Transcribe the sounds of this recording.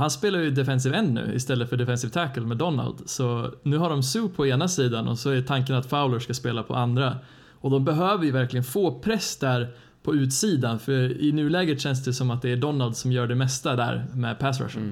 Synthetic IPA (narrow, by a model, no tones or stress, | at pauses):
hanspeːlaɾjɵd̪ɛfɛns̬ɪvɛnːʉ̰ːɪ̰st̪ɛlːət̪fœɖɛfɛnsɪvt̪ʰækəlmɛd̪ɔnːa̰ld̪sɔnʉ̟ːɦaɖɔmsʉːpʰɔeːnasiːd̪anʔɔ̰sɔæt̪ʰaŋkənat̪faʊləʂkaspeːlapʰɔ̰ʔand̪ɾa | ɔd̪ɔmbɛɦøːvəɾjvæɾklɪɡənfoːpʰɾɛsd̪æɾ | pʰɔʉ̟ːt̪siːd̪anfœɾɪnʉ̟ːlɛːɡɾət̪ɕɛns̬d̪ɛsɔmat̪̚d̪ɛæɖɔnːald̪sɔmjœːɖɛmɛst̪ad̪æ̰ːɾmɛ̰pʰæsɾa̰ʂə̰n